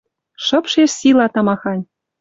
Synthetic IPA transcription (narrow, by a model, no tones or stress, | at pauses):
ʃɤ̆pʃeʂsilɑt̪ɑ̆mɑxɑnʲ